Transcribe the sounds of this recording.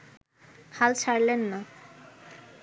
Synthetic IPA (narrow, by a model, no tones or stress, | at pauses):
halt͡ɕʰaɾlenːa